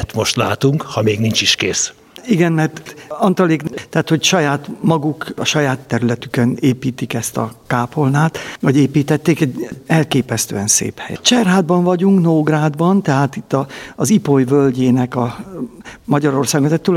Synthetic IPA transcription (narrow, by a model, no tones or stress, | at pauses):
t̪mo̞ʃt̪laːt̪uŋkhɒmeːɡnint͡ʃiʃkeːs | iɡɛnmɛrt̪ɒnt̪oleːkt̪ɛaːt̪ho̞cʃɒjaːt̪mɒɡukɒʃɒjaːt̪ːɛɾylɛt̪ykøneːpiːt̪ikɛst̪ɒ̰kaːpo̞lnaːt̪ɒɟeːpiːt̪ɛt̪ːeːkɛɟɛlkeːpɛst̪ø̰ːɛnsḛːphɛ̰jt͡ʃɛrɦaːd̪bɒɱvɒɟuŋknoːɡraːd̪bɒnt̪ɛɦaːt̪it̪ːɒːzipojvølɟeːnɛkɒ | mɒɟɒɾo̞rsaːɡozɛt̪ːul